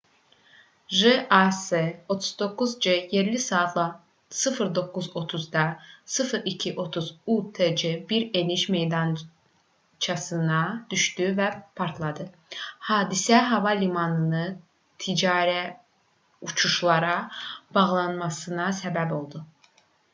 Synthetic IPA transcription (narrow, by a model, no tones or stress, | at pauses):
ʒeaseo̞t̪ʰuzd̪o̞kːuzd͡ʒejeɾlisɑːt̪ʰlˠɑ | sɯfɯɾd̪o̞kːuzo̞t̪ʰuzd̪ɑsɯfɯɾicʰiʔo̞t̪ʰuzut̪ʰed͡ʒebiɾe̞niʃme̞jd̪ɑn | t͡ʃʰɑsɯnɑd̪̥yʃd̪yvæpʰɑɾt̪ʰlˠɑd̪ɯ | hɑːd̪isæɦɑvɑlimɑnɯnɯ | t̪ʰid͡ʒɑːɾæ | ut͡ʃʰuʃlˠɑɾɑb̥ɑʁlˠɑnmɑsɯnɑsæbæbo̞lˠd̪u